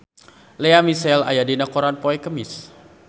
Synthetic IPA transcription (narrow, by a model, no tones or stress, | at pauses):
leamisɛla̰jadinakoɾanpoɛkəmɪs